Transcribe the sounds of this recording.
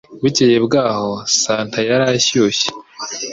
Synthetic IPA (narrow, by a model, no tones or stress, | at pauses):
βicejebɡaːho̞saːntʰajaɾaɕuːɕe̥